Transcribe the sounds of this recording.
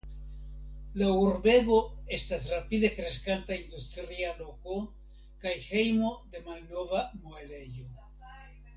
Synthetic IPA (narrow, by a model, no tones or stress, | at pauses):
lauɾbe̞bo̞e̞stasɾapid̪e̞kɾe̞skantaind̪ustɾialo̞ko̞ | kajhe̞jmo̞d̪e̞malno̞vamoele̞jo̞